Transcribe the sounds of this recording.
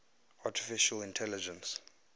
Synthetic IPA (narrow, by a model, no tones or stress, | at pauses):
atʰi̥fiʃalĩntʰɛlid͡ʒɛ̃ns